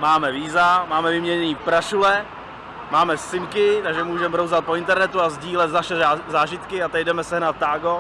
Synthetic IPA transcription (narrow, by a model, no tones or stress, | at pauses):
maːmɛviːzamaːmɛvɪmɲɛɲɛniːpɾaʃulɛ | maːmɛsɪmkɪt̪aɡʒɛmuːʒɛmɛɦɾowzat̪̚po̞ɪnt̪ɛɾnɛt̪uazɟiːlɛt̪zaʃɛzaːʒɪt̪kɪat̪ɛcdɛmɛsɛɦnat̪̚ːaːɡo